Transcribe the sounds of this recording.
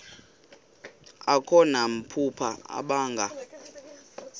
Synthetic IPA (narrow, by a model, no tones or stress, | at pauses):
akʰɔnam̩pʰupʰaa̰ɓaːŋɡʱa